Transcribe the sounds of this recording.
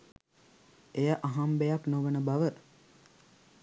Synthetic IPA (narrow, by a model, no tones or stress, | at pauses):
ejəʔaɦambejaknoʋənəbaʋə